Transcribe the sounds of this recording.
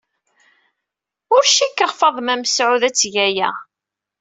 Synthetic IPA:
ʊɾʃikːəʁfɑðˤmæmsʕuðæt͡sːʝæjæ̰

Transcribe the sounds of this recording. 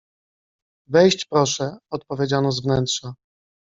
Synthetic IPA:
vɛjɕt͡ɕpɾɔʂɛɔt̪̚pɔvʲjed͡ʑanɔzvnɛntʂa

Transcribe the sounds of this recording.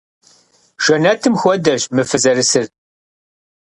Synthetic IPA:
ʃænæt̪ːəmxwæd̪æʃməfəzəɾəsəɾ

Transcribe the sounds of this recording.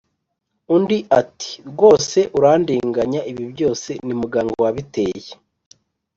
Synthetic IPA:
undiʔati̥ɾɡo̞ːse̞ʔuɾaːndiːŋɡaɲaʔiβibjo̞ːse̞nimuɡaːŋɡowaβite̞ːje

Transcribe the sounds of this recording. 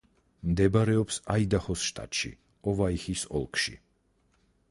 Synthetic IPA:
md̪ɛbaɾɛɔpsaid̪aχɔsʃt̪ʼa̰t̪ʼʃḭ | ɔvaixisɔ̰lˠkʰʃḭ

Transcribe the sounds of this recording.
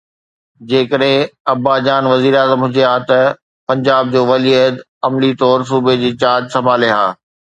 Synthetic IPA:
d͡ʑeːkəɗɦɪ̃ɐbaːd͡ʑaːnʋɐziːɾeaːzəmɦʊ̃d͡ʑd͡ʑeɦaːt̪ɐ | pɐ̃ɲd͡ʑaːb̚d͡ʑoːʋɐliəd̪ | ɐmlit̪ɔːɾs̬uːbed͡ʑeːt͡ɕaːd͡ʑsɐmaːleɦaː

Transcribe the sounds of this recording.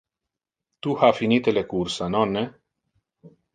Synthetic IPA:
t̪uhafinit̪elekursənɔnːe

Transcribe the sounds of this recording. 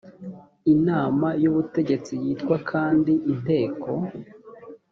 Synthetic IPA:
inaːmajuβute̞ɟe̞t͡sijiːtkwakʰaːndiʔin̥e̞ːkʰo̞

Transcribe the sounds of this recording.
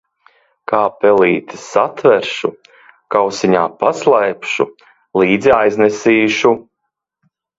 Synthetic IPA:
kaːpɛliːt̪i̥sat̪vɛɾʃu | kawsiɲaːpaslˠajpʃu | lˠiːd̪ziajznɛsiːʃu

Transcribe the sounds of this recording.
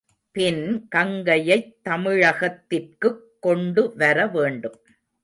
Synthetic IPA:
pɪnkɐŋɡɐjɐɪt̪ːɐmɪɻɐɣɐt̪ːɪrkɯkːɔɳɖɯʋɐɾɐʋeːɳɖɯm

